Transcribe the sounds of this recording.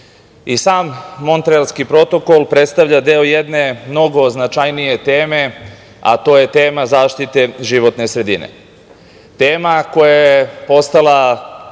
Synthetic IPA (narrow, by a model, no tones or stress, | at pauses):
isaːmːo̞nt̪ɾeelskipɾo̞t̪o̞ko̞lˠpɾet̪st̪aʋʎad̪eoje̞d̪ne̞mno̞ɡo̞znat͡ʃajnije̞t̪eːme̞ | a̰t̪o̞ːje̞t̪e̞ːmazaːʃt̪it̪e̞ʒiʋo̞t̪ne̞sɾe̞d̪inḛ | t̪e̞ːmako̞jajjepo̞st̪ala